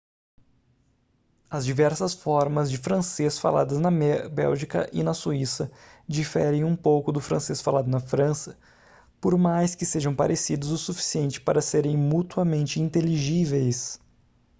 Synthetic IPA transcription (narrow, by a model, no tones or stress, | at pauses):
ɐzd͡ʒivɛɾsɐsfɔɾmɐzd͡ʒɪfɾɐ̃sesfa̰la̰d̪ɐznɐbɛ̰wʒikɐ̰ʔɪnɐsuisɐd͡ʒifɛɾẽj̃ũpowkʊd̪ʊfɾɐ̃sesfalad̪ʊnɐfɾɐ̃sɐ̥ | poɾmajskɪseʒɐ̃w̃pa̰ɾʔesid̪ʊzʊsufi̥siẽnt͡ʃɪ̥paɾɐseɾẽj̃mut̪uɐmẽnt͡ʃɪĩnt̪eliʒivejs